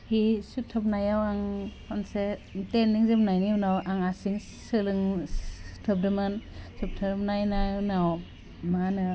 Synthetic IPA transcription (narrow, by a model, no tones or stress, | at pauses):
hisutʰːɯp̬̚najawaŋhʰɔnsetenːiŋzepnajniwnawʔaŋasiŋ | sɯlɯŋ | tʰɯp̚dɯmɯnsup̚tʰɯpnajnajnaw | manɯ